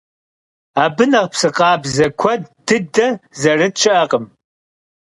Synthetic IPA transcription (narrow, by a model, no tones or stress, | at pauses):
aːbɨnɐʁpsɨqɑːbzɐkʷʰɔdːɨdɐzɐrɨt̚t͡ʃʰɪʔɐqəm